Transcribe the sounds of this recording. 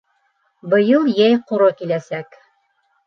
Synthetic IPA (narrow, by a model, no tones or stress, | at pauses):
bɤ̆jɤlˠjæjquɾɤkilæsæk